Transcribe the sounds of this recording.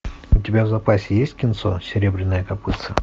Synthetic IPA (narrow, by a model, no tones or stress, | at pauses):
ʊtʲɪbʲavzɐpasʲɪjesʲtʲkʲɪnt̪so̰sʲɪɾʲebɾʲɪnːəjəkɐpɨt̪sə